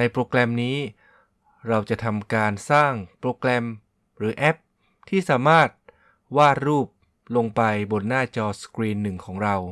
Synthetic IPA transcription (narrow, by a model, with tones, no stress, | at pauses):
na˧jpɾoː˧klɛ˧mniː˦˥ | ɾa˧wt͡ɕa˨˩ʔt̪ʰa˧mkaː˧nsaː˥˩ŋpɾoː˧klɛ˧m | ɾɯː˩˦ʔɛ˦˥p̚ | t̪ʰiː˥˩saː˩˦maː˥˩t̪̚ | waː˥˩ɾuː˥˩p̚ | lo˧ŋpa˧jbo˧nːaː˥˩t͡ɕɔː˧skɾiː˧nːɯ˨˩ŋkʰɔː˩˦ŋɾa˧w